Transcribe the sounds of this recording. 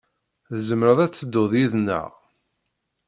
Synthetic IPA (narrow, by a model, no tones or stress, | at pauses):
ðəzəmɾəðˤæt͡sːəd̪ːʊðjiðnːə̰ʁ